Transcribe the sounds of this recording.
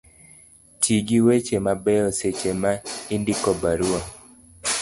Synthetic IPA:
tiɡiwet͡ʃemabɛɔset͡ʃemaindikɔbaɾua

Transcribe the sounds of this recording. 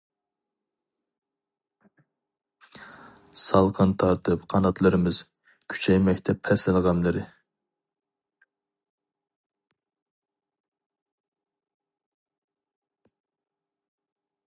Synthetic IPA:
sɑlˠqʰɨnt̪ʰɑɾt̪ʰɨpqʰɑnɑt̪ʰlˠɨɾɨmɨz̥ | kʲʰy̥t͡ʃʰɛjmɛk̚ʲt̪ʰɛpʰːɛsɪlˠʁɑmlˠɨɾɨ

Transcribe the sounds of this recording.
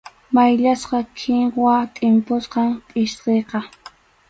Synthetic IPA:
majʎasqɑkʰɪŋwat̪ʼɪmpʊsqɑmpʼɪʃqejqɑ

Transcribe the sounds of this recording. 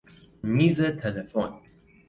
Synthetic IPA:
mizətʰɛləfõn

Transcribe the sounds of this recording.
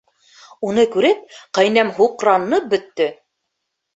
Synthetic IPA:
unɤkʉɾɘp̚qɑjnæmɦuqɾɑnːɤp̚bɵ̆t̪ːɵ

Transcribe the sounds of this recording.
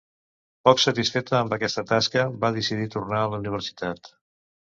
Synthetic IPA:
pɔksət̪isfet̪əːmbəkɛst̪ət̪askəβaðisiðit̪urnaələuniβ̞əɾsi̥t̪at̪

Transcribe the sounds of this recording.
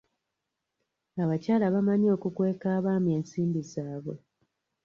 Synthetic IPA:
aβacaːlaβamaɲo̞ːkukwe̞ːkaːβaːme̞ːnsiːmbizaːβwe̞̰

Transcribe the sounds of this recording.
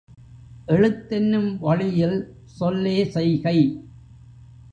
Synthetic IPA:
ʔɛɻɯt̪ːɪnːɯmʋɐɻɪjɪl | sɔlːeːsɛjɣɐɪ

